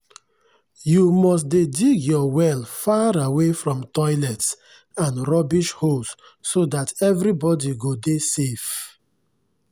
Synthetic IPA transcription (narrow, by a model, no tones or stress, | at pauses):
jumɔs̬dediɡjɔwɛlfaɹawefɹɔ̃mtɔɪlɛts | ãnɹɔbiʃhosː | odatɛvɾibɔdiɡodesef